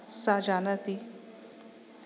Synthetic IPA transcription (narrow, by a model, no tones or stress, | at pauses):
sad͡ʒanat̪i